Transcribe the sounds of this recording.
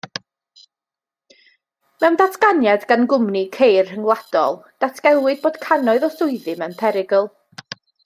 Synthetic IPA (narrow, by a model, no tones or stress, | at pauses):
mɛwmndatʰɡ̥anjadɡanɡʊmnikʰejrhəŋlˠad̥ɔ̰lˠd̥atʰɡ̥ɛlˠwɨd̚boːd̥kʰanɔɨðɔsʊɨðɨmɛwnpʰɛɾɪɡəlˠ